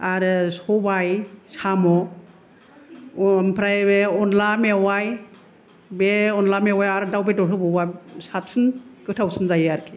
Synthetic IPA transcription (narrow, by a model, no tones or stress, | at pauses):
aɾɯsɔbajsamɔ | mpʰɾajbeɔnlamewaj | beɔnlamewajaɾɯdawbetɔɾʰɯbɯwasat̚sɯnkɯtʰawsɯnzajaɾkʰi̥